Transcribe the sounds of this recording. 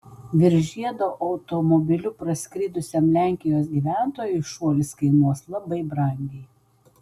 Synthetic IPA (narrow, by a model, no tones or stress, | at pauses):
ʋʲɪɾʲʒʲiɛd̪oːʔɐʊt̪ɔmɔbʲɪlʲʊpɾɐsʲkʲɾʲid̪ʊsʲɛmlʲæˑŋʲkʲɪjoːsɡʲiːʋʲæˑnt̪oːjʊɪʃuɔlʲɪskɐɪnuɔslˠɐbɐɪbɾɐˑŋʲɡʲɛɪ